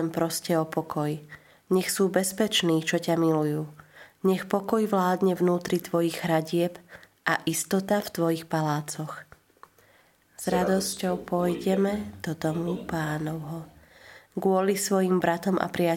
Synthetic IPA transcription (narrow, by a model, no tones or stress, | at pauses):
ɛmpɾɔscɛɔpɔkʰɔj | ɲɛxsuːbɛspɛt͡ʃniːt͡ʃɔcamilujuːɲɛxpɔkɔjʋlaːd̪ɲɛvnuːt̪ɾit̪ʋɔjiɣɦɾaɟɪɛb | ʔaʔist̪ɔt̪aft̪ʋɔjixpalaːt͡sɔx | z̥ɾad̪ɔscɔʊpɔjɟɛmɛd̪̥ɔd̪ɔmupaːnɔʊɦɔ | ɡʊɔlisʋɔjimbɾat̪ɔmʔa̰pɾɪa